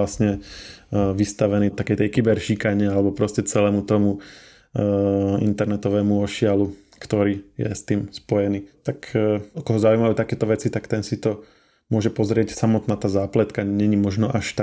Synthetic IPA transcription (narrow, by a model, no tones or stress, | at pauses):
lasɲɛ | ʋist̪aʋɛniːt̪akɛjt̪ɛjkibɛɾʃiːkaɲɪɛalɛbɔpɾɔscɛt͡sɛlɛːmut̪ɔmu | ḭnt̪ɛɾnɛt̪ɔʋɛːmuɔʃɪalu | kt̪ɔɾiːjɛ̰st̪iːmspɔjɛniːt̪akʰɔkɔɦɔzaujmajuːt̪akɛːt̪ɔʋɛt͡sit̪akt̪ɛnsit̪ɔ | mʊɔʒɛpɔzɾɪɛcsamɔt̪naːt̪aːzaːplɛt̪kaɲɛɲimɔʒnɔʔaʃt̪a